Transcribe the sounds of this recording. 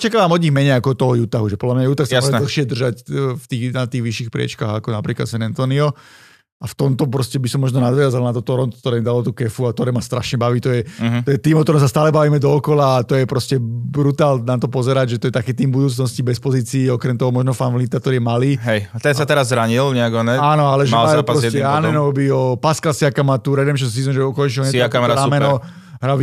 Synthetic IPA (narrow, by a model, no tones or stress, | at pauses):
t͡ʃɛkalaːmɔd̪ɲiɣmɛɲɛjakɔɔt̪ɔɦɔjut̪aɦuʒɛpɔd̪lamɲajuːt̪axsaaɔʒɛɛdlxʃɪɛd̪r̩ʒacft̪iːnat̪iːɣʋiʃixpɾɪɛ̰t͡ʃkaɣakɔnapɾiːkla̰t̪sʋɛnɛnt̪ɔniɔ | aft̪ɔmt̪ɔp̬ɾɔscɛbisɔmːɔʒnɔnad̪ʋɪazalnat̪ɔt̪ɔɾɔnt̪kt̪ɔɾɛːmid̪alɔt̪ukɛfuat̪ɔɾɛmast̪ɾaʃɲɛbaʋiːt̪ɔjɛt̪ɔjɛt̪iːmɔkt̪ɔɾɔmsast̪aːlɛbaʋiːmɛd̪ɔːkɔlaːt̪ɔjɛpɾɔscɛbɾut̪aːlnat̪ɔpɔzɛɾaɟʒɛt̪ɔjɛt̪akiːt̪iːmbud̪uːt͡snɔscibɛspɔziːt͡siːɔkɾɛmt̪ɔɦɔmɔʒnɔfanvlit̪ak̚t̪ɔɾijɛmaliːɦɛjt̪ɛnsat̪ɛɾazːɾaɲilɲɛaɡɔnɛaːnɔalɛʒɛalapaɾɔsɛanɛnɔbiɔpaskalsiakamat̪uːɾɛd̪ɛmʃ̬ɔs̬iːzɔnʒɛɔkɔnt͡ʃilɔɲɛakaaɾamɛnɔ | ɦɾa